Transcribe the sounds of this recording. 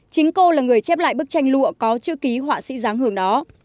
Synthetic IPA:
t͡ɕï˨˦ŋ̟ko˧laː˨˩ŋɨ˨˩əjt͡ɕɛ˦˥p̚la̰ː˧˨jɓɨ˦˥k̚t͡ɕa˧jŋ̟lṵ˧˨əkɔ˨˦t͡ɕɨ̰˧˥ki˨˦ɦwaː˧˩sḭ˧˥zaː˨˦ŋhɨ˨˧˩əŋɗɔ˨˦

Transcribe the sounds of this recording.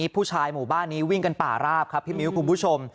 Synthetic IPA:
pʰuː˥˩t͡ɕʰaː˧jmuː˨˩baː˥˩nːiː˦˥wi˥˩ŋka˧npa̰ː˨˩ɾaː˥˩p̚kʰa˦˥pʰːiː˥˩mi˦˥wkʰu˧npʰu˦˥˩t͡ɕʰo˧m

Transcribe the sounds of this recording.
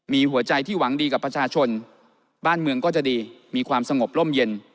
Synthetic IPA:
miː˧ɦu˩˦ɐt͡ɕa˧jt̪ʰiː˥˩wa˩˦ŋdiː˧ka˨˩pːɾa˧t͡ɕʰaː˧t͡ɕʰo˧n | baː˥˩nmɯ˧əŋkɔː˥˩t͡ɕa˨˩diː˧ | miː˧kʰwaː˧msa˧ŋo˨˩p̚lo˥˩mje˧n

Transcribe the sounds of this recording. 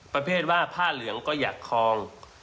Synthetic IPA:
pɾa˧pʰeː˥˩t̪̚waː˥˩pʰaː˥˩lɯ˩˦əŋkɔː˥˩ja̰ː˨˩kʰːɔː˧ŋ

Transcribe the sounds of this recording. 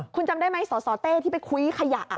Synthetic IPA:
kʰu˧nt͡ɕa˧mdaː˥˩jma˦˥jsɔː˩˦sɔː˩˦t̪eː˥˩t̪ʰiː˥˩pa˧jkʰu˦jkʰa˧ja˨˩ʔ

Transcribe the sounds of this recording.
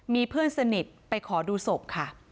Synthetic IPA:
miː˧pʰɯ˥˩ənsa˧ni˨˩t̪̚pa˧jkʰɔː˩˦duː˧so˨˩p̚kʰa˥˩

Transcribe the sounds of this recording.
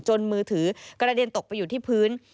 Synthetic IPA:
t͡ɕo˧nmɯː˧t̪ʰɯː˩˦kɾa˧di˧ənt̪o˨˩k̚pa˧jːuː˨˩t̪ʰiː˥˩pʰɯː˦˥n

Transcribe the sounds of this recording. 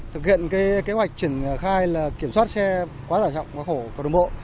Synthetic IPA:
t̪ɨ˨˩k̚hḭ˧˨ənkaː˨˦jke˨˦ɦwa˨˩jk̚t͡ɕi˧˩əŋxaː˧jlaː˨˩ki˧˩əmswaː˦˥t̚sɛ˧ | kwaː˨˦t̪aː˧˩t͡ɕɔ̰˧˨wŋ͡mkwaː˨˦xo˧˩kːŋ͡mɓo̰˧˨

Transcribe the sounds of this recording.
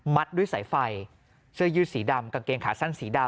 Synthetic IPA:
ma˦˥t̪̚du˥˩jsa̰˩˦jfa˧j | sʰɯ˥˩əjɯː˥˩siː˩˦da˧mka˧ŋkeː˧ŋkʰaː˩sa˥˩nsiː˩˦da˧

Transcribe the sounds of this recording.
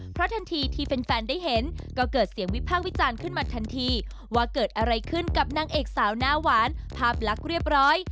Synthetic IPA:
pʰɾɔ˦˥t̪ʰa˧nt̪ʰiː˧t̪ʰiː˦˧pe˧nfɛː˧ndaː˥˩jɦe˩˦nkɔː˧˩kɤː˨˩t̪̚si˨˩˦əŋwi˦˥pʰaː˥˩k̚wi˦˥t͡ɕaː˧nkʰɯ˥˩nmaː˧t̪ʰa˧nt̪ʰiː˧ | waː˧kɤː˨˩t̪̚ʔa˧ɾa˧jkʰɯ˥˩nka˨˩p̚naː˧˥ŋʔeː˨˩k̚saː˩˦wnaː˦˥waː˩˦npʰaː˥˩p̚la˦˥k̚ɾi˥˩əp̚ɾɔː˦˥j

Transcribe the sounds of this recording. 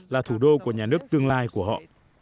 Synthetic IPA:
laː˨˩t̪ʰu˧˩ɗo˧ku˧˩əɲaː˨˩nɨ˦˥ək̚t̪ɨ˧əŋlaː˧jku˧˩əɦɔ̰˧˨ʔ

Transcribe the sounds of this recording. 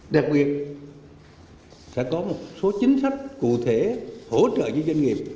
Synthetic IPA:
ɗa˨˩k̚ɓi˨˩ət̚ | sɛ̰˧˥kɔ˨˦mo˨˩t̚so˨˦t͡ɕï˨˦ŋ̟sa˦˥jk̟̚kṵ˧˨t̪ʰe˧˦ho˧˩t͡ɕə̰ː˧˨ɲɨ˨˦zə˧ŋŋi˨˩əp̚

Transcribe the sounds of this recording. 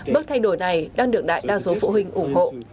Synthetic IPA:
ɓɨ˦˥k̚t̪ʰa˧jɗo˧˩jna˨˩jɗaː˧ŋɗɨ˨˩ək̚ɗa̰ː˧˨jɗaː˧so˨˦fṵ˧˨hï˨˩ŋ̟ʔʊ˧˩ŋ͡mɦo̰˧˨

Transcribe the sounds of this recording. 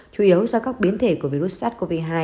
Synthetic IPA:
t͡ɕu˧˩ʔi˨˦ə˦wzɔː˧kaː˦˥k̚ɓi˨˦ənt̪ʰe˧˩ku˧˩əvi˧ɾu˦˥t̚saː˦˥t̚ko˧vi˧ɦaː˧

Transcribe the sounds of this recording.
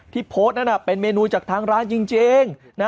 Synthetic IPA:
t̪ʰiː˥˩pʰoː˦˥t̪̚na˦˥na˧˩pe˧nmeː˧nuː˧t͡ɕaː˨˩k̚t̪ʰaː˧ŋɾaː˦˥nt͡ɕi˧ŋt͡ɕeː˧ŋ | na˦˥

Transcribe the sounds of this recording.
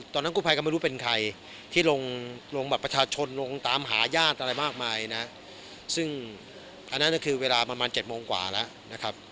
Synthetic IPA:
t̪ɔː˧nː˦˥kuː˥˩pʰa˧jkɔ˥ma˥˩jɾuː˦˥pe˧nkʰa˧j | t̪ʰiː˥˩lo˧ŋlo˧ŋbɛː˨˩pːɾa˧t͡ɕʰaː˧t͡ɕʰo˧nlo˧ŋt̪aː˧mɦaː˩˦jaː˥˩t̪̚ʔa˧ɾa˧jmaː˥˩k̚maː˧jna˦˥ | sɯ˥˩ŋ | ʔa˧nːa˦˥nːa˥˩kʰɯː˧weː˧laː˧pɾa˧maː˧nt͡ɕe˨˩t̪̚moː˧ŋkwa̰ː˨˩lɛ˦˥ʔna˦˥kʰa˦˥p̚

